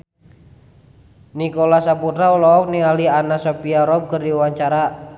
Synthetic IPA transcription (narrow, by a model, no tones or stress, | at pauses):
nikolasaput̪ɾaulɔːk̚nialianasopiaɾɔb̚kərdiuwaɲt͡ʃaɾa